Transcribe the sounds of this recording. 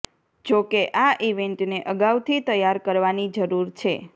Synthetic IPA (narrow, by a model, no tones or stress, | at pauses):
d͡ʒokeʔaʔiʋeɳʈneʔəɡawt̪ʰit̪əjaɾkəɾʋanid͡ʒəɾuɾt͡ʃʰe